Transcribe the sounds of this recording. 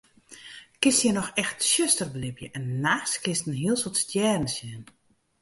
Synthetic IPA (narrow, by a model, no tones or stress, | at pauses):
kɪstjɛnɔxɛxtsjøstərblɪpjəʔɛnːaːxskɪstn̩hiəlˠsotstjɛːrən̩sjɛn